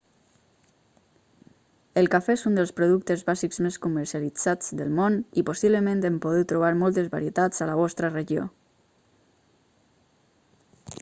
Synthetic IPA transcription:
əlˠkafeezund̪əlˠspɾuðukt̪əzβazikzmeskuməɾsialid͡z̥ad͡zd̪əlˠmoniposiβləmẽnt̪ɛmpoðut̪ːɾuβ̞aɾmɔlˠt̪ezβaɾiət̪ad͡zələβ̞ɔst̪ɾəreʒio̰

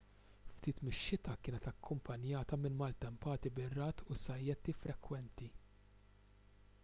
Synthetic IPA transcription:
ft̪iːt̪mɪʃːɪt̪ɐkɪːnɛt̪ɐkːʊmpʰɐnjɐːt̪ɐmɪnmɐlt̪ɛmpɐːt̪ibɪrːɐːt̪ʰʊsɐjːɛt̪ifɾɛkwɛnt̪i

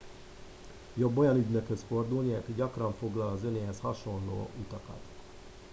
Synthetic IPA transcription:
jo̞bːojɒnyɟnøkhøsfo̞rd̪ulniɛkɟɒkrɒɱfo̞ɡlɒlɒzø̞neːɦɛshɒʃo̞nlo̰ːut̪ɒkɒ̰t̪

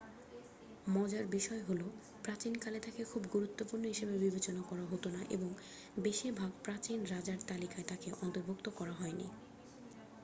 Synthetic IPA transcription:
mɔd͡ʑaɾbiʃɔeɦolo | pɾat͡ɕinkalet̪ʰakekʰubɡuɾut̪ːopuɾnoɦiʃebebibet͡ɕonakɔɾaɦot̪onaʔḛboŋ | beʃiɾbʱaɡ̚pɾat͡ɕinɾad͡ʑaɾt̪alikaet̪akeʔɔnt̪oɾbʱok̚t̪okɔɾaɦɔenḭ

